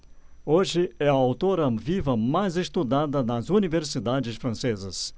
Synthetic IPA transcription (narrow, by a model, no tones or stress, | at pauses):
oʒɪɛɐawt̪oɾɐvivɐmajzest̪ud̪ad̪ɐnɐzuniveɾsid̪ad͡ʒɪsfɾɐ̃sezɐs